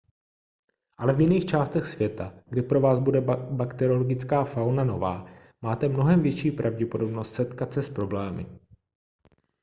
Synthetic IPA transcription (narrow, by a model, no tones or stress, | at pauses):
ʔalɛvjɪniːxt͡ʃaːst̪ɛxsvjɛt̪aɡdɪpɾo̞vaːzbudɛbakt̪ɛɾoloɡɪt͡skaːfawnano̞va̰ː | maːt̪ɛmno̞ɦɛmvjɛt͡ʃiːpɾʔavɟɛpodo̞bnost̪sɛt̪kat̪sɛspɾo̞blɛːmɪ̰